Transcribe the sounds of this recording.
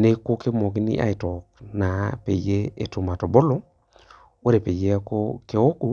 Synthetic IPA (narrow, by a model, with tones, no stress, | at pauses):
ne˦ko˦ke˦mɔ˨k̬i˦nḭ˦ʔa̰˦i˨tɔ˨k̚na˨pe˨je˦e˦tu˨ma˨to˨bo˦lo˦ | wo˦ɾe˨pe˨je˦ko˦ke˨o˦ku˦